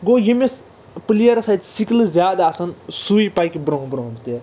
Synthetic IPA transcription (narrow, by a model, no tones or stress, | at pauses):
ɡoːjimes | plijɐɾɐsɐjt̪siklɨzʲjaːd̪aːsɐnsuipajkibɾõɦbɾoɦbt̪e